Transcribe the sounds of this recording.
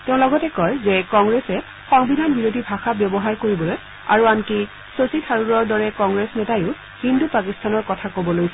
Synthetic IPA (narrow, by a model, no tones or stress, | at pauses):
tɛʊ̃lɔɡɔtɛkɔjzɛkɔŋɡɹesɛ | xɔŋbinanbiɹodʱibʱaxabjɔbɔɦaɹkoɹibɔloj | a̰ɹuanki | sositʰaɹuɹɔɹdɔɹɛkɔ̃ŋɡɹesnɛtajʊ | hindupakistʰanɔɹkɔtʰakobɔlojsɛ